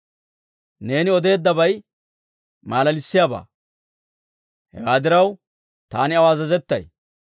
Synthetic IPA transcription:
ne̞ːnɪɔd̪e̞ːd̪ːɐbɐj | maːlɐlɪsːɪjaːba̰ː | hɛ̰waːd̪ɪɾɐw | t̪aːnɪɐwaːzɐzɛt̪ːɐ̰j

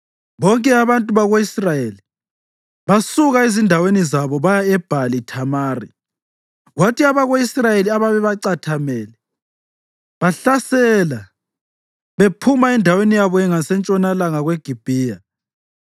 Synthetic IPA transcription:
βɔŋkʼɛaβantʼuβaɣoisrajeli | βasuɣaizindʱawenizaβɔβajaɛb̥ʱalitʰamaːrḭ | ɣwatiaβaɣoisrajeliaβaβɛβaǀatʰamɛːlɛ | βaɬasɛla | βepʰumaɛndʱawenijaβɔɛŋasɛnt͡ʃʼɔnalaŋaɣweɡ̥ʱib̥ʱiːja

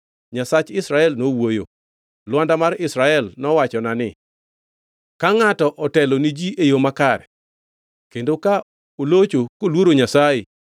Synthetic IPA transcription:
ɲasat͡ʃɪsɾaɛlnowojo̰ | lwandamarɪsɾaɛlnɔwat͡ʃɔnanɪ | kaŋatɔʔɔtɛlonid͡ʒiʔejomakaɾɛ̰ | kendoka | olot͡ʃokolwoɾoɲasaje

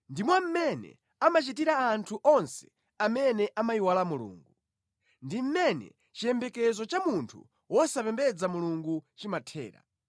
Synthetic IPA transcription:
ndimwam̩mɛnɛ̰ | amat͡ʃitiɾaːntʰuʔɔnsɛ̥ | amɛnɛʔamaiwalamulṵːŋɡu | ndim̩mɛnɛ̰ | t͡ʃijɛmbɛkɛzɔt͡ʃamuntʰṵ | wɔsapɛmbɛd͡zamuluŋɡut͡ʃimatʰɛ̰ːɾa̰

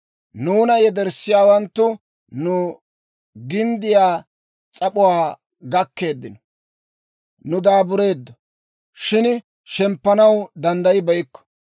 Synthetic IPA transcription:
nuːnɐjɛd̪ɛɾsːɪjaːwɐnt̪ːʊ | nʊ | ɡɪnd̪ɪjaː | t͡sʼɐpʊwaː | ɡɐkːe̞ːd̪ːɪnɔ | nʊd̪aːbʊɾe̞ːd̪ːɔ | ʃɪn | ʃɛmpːɐnɐwd̪ɐnd̪ɐjɪbɐjɪkːɔ̥

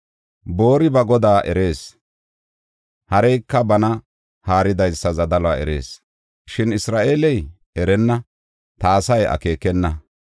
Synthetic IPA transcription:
bo̞ːɾɪbɐɡɔd̪aːʔɛɾe̞ːs | hɐɾɛjkːɐbɐnɐ | haːɾɪd̪ɐjsːɐzɐd̪ɐlɔaɛ̰ɾe̞̰ːs | ʃɪnɪsɾaːʔeːlɛj | ɛɾɛnːɐ | t̪aːsɐjɐ̰ke̞ːkɛnːɐ

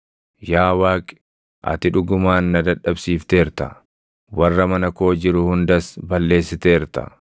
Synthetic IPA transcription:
jaːwaːkʼɪ̥ | ʔɐ̰t̪ɪᶑʊɡʊmaːnːɐd̪ɐᶑɐbsiːft̪e̞ːɾt̪ɐ | wɐrːɐmɐnɐko̞ːd͡ʒɪɾʊhʊnd̪ɐsbɐlːe̞ːsːɪt̪e̞ːɾt̪ɐ̰

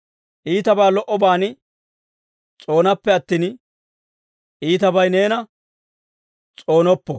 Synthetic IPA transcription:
ʔiːt̪ɐbaːlɔʔɔbaːn | t͡sʼo̞ːnɐpːɛɐt̪ːiːn | ʔiːt̪ɐbɐjne̞ːnɐ | t͡sʼo̞ːnɔpːɔ

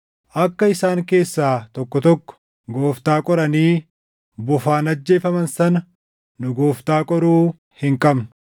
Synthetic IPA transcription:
ʔɐkːɐɪsaːŋke̞ːsːaːt̪ɔkːɔt̪ɔkːɔ̥ | ɡo̞ːft̪aːkʼɔɾɐniː | bʊfaːnɐd͡ʒːe̞ːfɐmɐnsɐnɐ | nʊɡoːft̪aːkʼɔɾuː | hɪŋkʼɐbnʊ

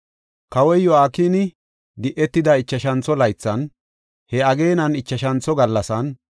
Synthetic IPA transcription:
kɐwɔjjːɔaːkiːnɪ | d̪ɪʔɛt̪ːɪd̪ɐɪt͡ʃːɐʃɐnt͡sːɔlɐjt͡sːɐn | hɛɐɡe̞ːnɐnɪt͡ʃːɐʃɐnt͡sːɔɡɐlːɐsɐn

